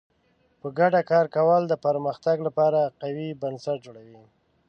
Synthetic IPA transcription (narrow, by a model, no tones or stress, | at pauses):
pəɡaɖakɑɾkawəld̪əpaɾməxt̪aɡlapɑɾaqawibansaʈ̚d͡ʒoɽawi